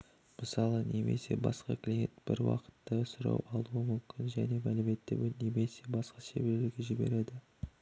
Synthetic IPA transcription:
məsɑlˠəne̞me̞̰se̞̰bɑ̰sqɑklʲijent̪b̥ɪɾwɑ̰qə̥t̪ːəsʊɾɑ̰wʔɑlˠuəmʏmkʲʰɪnʒæne̞mælɪme̞t̪ːɪ̰bne̞me̞se̞bɑsqɑʃe̞beɾleɾɡʲe̞ʒɪbe̞̰ɾe̞d̪ɪ

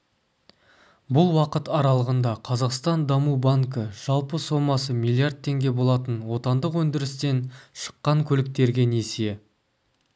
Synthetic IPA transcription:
bʊlˠwɑqət̪ɑɾɑlˠəʁənd̪ɑqʰɑzɑqst̪ɑnd̪ɑmubaŋkəʒ̥ɑlˠpəso̞mɑsəmilˠiard̪̚t̪ʰːe̞ŋɡʲe̞bo̞lˠɑt̪ənwo̞t̪ɑnd̪əqwɵnd̪ɪɾɪst̪e̞nʃə̥qːɑŋkʲʰɵlɪk̚t̪e̞ɾɡʲe̞ne̞se

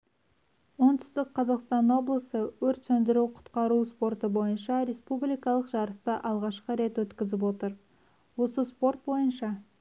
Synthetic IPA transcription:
wo̞nt̪ʰʏ̥st̪ɪk̚qʰɑzɑqst̪ɑnwo̞blˠəsəwɵɾt̪sɵnd̪ɪɾuqʰʊ̥t̪qɑɾuspo̞rt̪əbo̞jənʃɑɾe̞spublijkɑlˠəqʒɑɾəst̪əʔɑlˠʁɑʃqəɾe̞t̪wɵt̪kʲɪzɪp̬wo̞t̪əɾ | wo̞səspo̞rt̪̚bo̞jənʃɑ

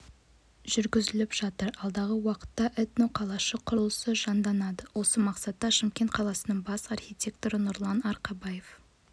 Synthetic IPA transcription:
ʒ̥ʏɾɡʲɪzɪlɪpʒ̥ɑt̪əɾɑlˠd̪ɑʁəwɑqə̥t̪ːɑʔɛt̪noqʰɑlˠɑʃəqʰʊɾlˠəsəʒɑnd̪ɑnɑd̪əwo̞səmɑqsɑt̪ːɑʃɪmkʲe̞nt̪̚qʰɑlˠɑsənəɴbɑsɑrxʲit̪ʲe̞k̚t̪oɾənʊɾlˠɑnɑɾqɑbɑje̞f

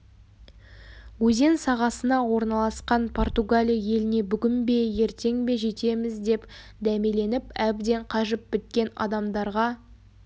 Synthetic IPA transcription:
wɵze̞nsɑʁɑsənɑwo̞ɾnɑlˠɑsqɑnpʰo̞rt̪uɡalʲijje̞lɪne̞bʏɡʲɪmbe̞je̞ɾt̪e̞ŋbe̞ʒe̞t̪e̞mɪzd̪e̞p | d̪æmele̞nɪpæbd̪e̞ɴqʰɑʒəp̚bɪt̪̚kʲe̞nɑ̰d̪ɑmd̪ɑɾʁɑ

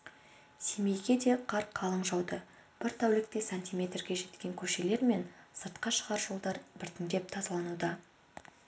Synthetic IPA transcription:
seme̞jɡʲe̞d̪e̞qʰɑɾqʰːɑlˠəɴʒɑwd̪ə | b̥ɪɾt̪ʰawlɪk̚t̪esanʲt̪ʲijmʲe̞t̪rɡʲe̞ʒe̞t̪kʲe̞ŋkʲʰɵʃe̞le̞ɾme̞nsəɾt̪qɑʃəʁɑɾʒo̞lˠd̪ɑɾbɪɾt̪ɪŋd̪e̞p̚t̪ʰɑzɑlˠɑnud̪ɑ

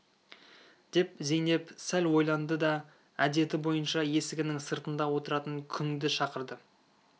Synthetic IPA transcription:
d̪̥e̞pze̞jne̞psælwo̞jlˠɑnd̪əd̪ɑ | æd̪e̞t̪ɪbo̞jənʃɑje̞sɪɡʲɪnɪŋsəɾt̪ənd̪ɑwo̞t̪əɾɑt̪əŋkʲʰʏŋd̪ɪʃɑqəɾd̪ə

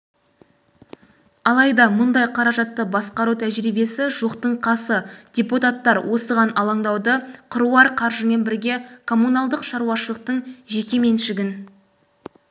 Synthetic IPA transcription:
ɑlˠɑjd̪ɑmʊnd̪ɑjqʰɑɾɑʒɑt̪ːəbɑsqɑɾut̪ʰæʒɾijbe̞sɪʒoqt̪əɴqʰɑsəd̪̥ʲeput̪at̪ːɑɾwʔo̞səʁɑnɑlˠɑɴd̪ɑwd̪əqʰʊɾuɑɾqʰɑɾʒəme̞nbɪɾɡʲe̞kʰo̞munɑlˠd̪əqʃɑɾuɑʃəlˠəq̚t̪əɴʒe̞kʲe̞me̞nʃɪɡʲɪn

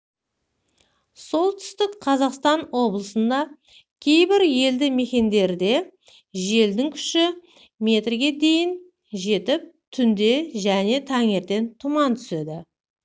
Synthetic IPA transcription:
so̞lˠt̪ʰʏ̥st̪ɪkqʰɑzɑqst̪ɑnwo̞blˠəsənd̪ɑ | kʲʰe̞jbɪɾje̞ld̪ɪme̞kʲe̞nd̪e̞ɾɪd̪e̞ | ʒe̞ld̪ɪŋkʲʰʏ̥ʃɪ | me̞t̪rɡʲe̞d̪e̞jɪn | ʒe̞t̪ɪp̚t̪ʰʏnd̪e̞ʒæne̞t̪ʰɑŋe̞ɾt̪e̞nt̪ʰʊmɑnt̪ʰʏ̥se̞d̪ɪ

